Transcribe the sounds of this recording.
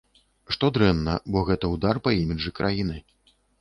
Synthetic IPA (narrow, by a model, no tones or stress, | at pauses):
ʂt̪ɔd̪ɾɛnːɐ̰bɔɣɛt̪ɐwd̪arpɐimʲiʐɨkɾʔajinɨ